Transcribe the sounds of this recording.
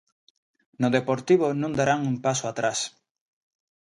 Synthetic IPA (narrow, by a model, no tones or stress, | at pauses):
nʊðepoɾt̪iβ̞onũŋd̪aɾaŋuŋpasoat̪ɾas